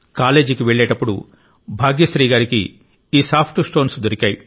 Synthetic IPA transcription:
kaːle̞ːd͡ʒikiʋeɭːeːʈɐpːuɽṵ | bʱaːɡijɐʃɾiːɡaːɾikḭː | saːpʰʈsʈo̞ːnsd̪oɾikʲaːji

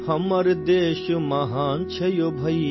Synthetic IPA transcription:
hʰɐmɐɾd̪eːʃumɐɦaːnt͡ʃʰɐjobʱɐi

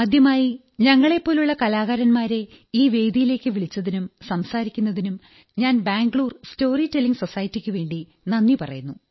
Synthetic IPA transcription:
mɐd̪ʱjɐmaːji | ɲɐŋːɐɭe̞pːo̞ːluɭːɐkɐlaːɣɐɾɐnmaːɾe̞ | iːʋe̞ːd̪ijile̞ːkːɨʋiɭit͡ɕːɐðinumsɐmsaːɾikʲːunːɐðinum | ɲaːnbaːŋɡɭuːrsto̞ːritelːiŋɡso̞sɐjɐtːikʲːɨʋe̞ːɳɖi | nɐnːipɐrɐ̰junːu

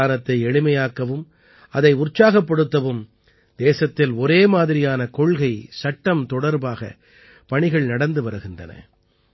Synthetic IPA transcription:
aːnɐt̪ːɐɪɛɻɪmɐjaːkɐʋɯm | ɐðɐɪʊrt͡ʃːaːɣɐpːɐɽɯt̪ːɐʋɯm | d̪eːsɐt̪ːɪlɔɾeːmaːðɪɾɪjaːnɐkɔɭɣɐɪsɐʈːɐmt̪ɔɽɐɾbaːɣɐ̰ | pɐɳɪɣɐɭnɐɽɐnd̪ɯʋɐɾɯɣɪndrɐ̰nɐ̰

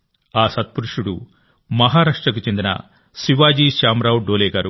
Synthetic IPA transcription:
aːsɐt̪̚puɾuʂuɽu | mɐɦaːɾaːʂʈɾɐk̬ut͡ʃe̞nd̪inɐ̰ | siʋaːd͡ʒiːʃaːmɾɐwɖoːleːɡaːɾu

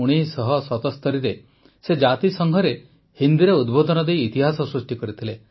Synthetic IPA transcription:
uɽ̃isɔɦɔsɔt̪ɔst̪ɔɾiɾe | sed͡ʒat̪isɔŋɡʱɔɾe | hind̪iɾeud̪bod̪ɔnɔd̪ejːt̪iɦasɔsɾusʈikɔɾit̪ʰile

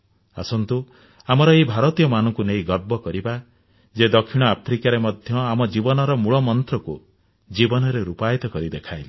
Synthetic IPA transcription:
a̰sɔnt̪u | amɔɾɔebʱaɾɔt̪ijɔmanɔ̃ŋkunejɡɔɾ̚bɔkɔɾiba | d͡ʒed̪ɔkʰːiɽ̃ɔapʰɾikaɾemɔd̪ʱjɔamɔd͡ʒibɔnɔɾɔmuɭɔmɔnt̪ɾɔkṵ | d͡ʒibɔnɔɾeɾupajɔt̪ɔkɔɾid̪ekʰajli

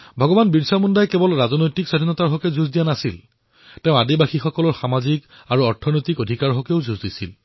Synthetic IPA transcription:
bʱɔɡɔbanbiɹsamundajkɛbɔlɹazɔnojtiksadʱinɔtaɹɦɔkɛzuzdijanasil | tɛʊ̃adibaxixɔkɔlɔɹxamazik | aɹuɔɹtʰɔnojtikodʱikaɹɦɔkɛʊzuzdisil

